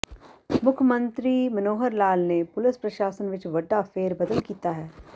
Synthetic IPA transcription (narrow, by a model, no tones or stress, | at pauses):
mʊkʰjəmə̃nt̪ɾiːmɐnoːɦəɾlaːlnepʊlɪspɾɐʃaːsənʋɪt͡ʃʋɐɖːafeːɾbɐd̪əlkiːt̪aɦɛː